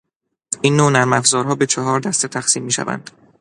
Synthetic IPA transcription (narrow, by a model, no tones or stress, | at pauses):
inːonæɾmæfzɒːɾɦɒːbe̞t͡ʃʰɒɦɒːɾd̪æst̪et̪ʰæxsiːmːiːʃæ̰væ̰nd̪̥